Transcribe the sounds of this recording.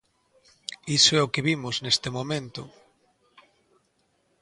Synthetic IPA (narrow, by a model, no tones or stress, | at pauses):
isoɛʊkɪβimʊznest̪ɪmõmẽnt̪ʊ̰